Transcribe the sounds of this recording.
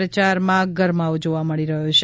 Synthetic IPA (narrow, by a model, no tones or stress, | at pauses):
ət͡ʃaɾmãɡʱəɾmaʋd͡ʒoʋaməɽiɾəɦut͡ʃʰ